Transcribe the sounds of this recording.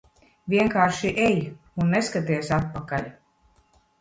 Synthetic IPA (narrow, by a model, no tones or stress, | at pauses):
vʲiɛŋkaːɾʃiʔej | unːeskat̪iɛsat̪̚pakalʲ